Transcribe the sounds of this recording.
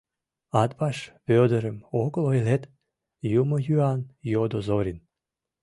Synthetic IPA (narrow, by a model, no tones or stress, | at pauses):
ɑd̪bɑʃβød̪əɾəmoklojlet̪ | jumojyɑnjod̪ozoɾʲin